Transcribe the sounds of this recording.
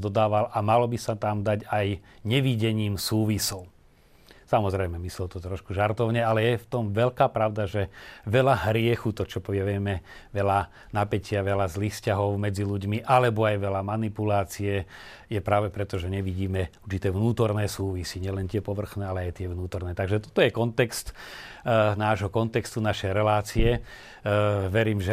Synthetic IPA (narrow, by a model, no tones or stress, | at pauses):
d̪ɔd̪aːʋalʔamalɔbisat̪amd̪aɟajɲɛʋiɟɛɲiːmsuːʋisɔʊ | samɔzɾɛjmɛmislɛlt̪ɔt̪ɾɔʃkuʒaɾt̪ɔʊɲɛalɛjɛft̪ɔmʋɛʎkaːpɾaʊd̪aʒɛʋɛlaɦɾɪɛxut̪ɔt͡ʃɔpɔʋɪɛʋɪɛmɛʋɛla | napɛcɪaʋɛlazliːxfscaɦɔʊmɛd͡ziluɟmiʔalɛbɔajʋɛlamanipulaːt͡siɛ | jɛpɾaːʋɛpɾɛt̪ɔʒɛɲɛʋiɟiːmɛuɾt͡ʃit̪ɛːʋnuːt̪ɔɾnɛːsuːʋisiɲɪɛlɛnt̪ɪɛpɔʋr̩xnɛːalɛajt̪ɪɛʋnuːt̪ɔɾnɛːt̪aɡʒɛt̪ɔ̥t̪ɔjɛkɔnt̪ɛkst̪ | naːʒɦɔkɔnt̪ɛkst̪unaʃɛjɾɛlaːt͡siɛ | ʋɛɾiːmʒɛ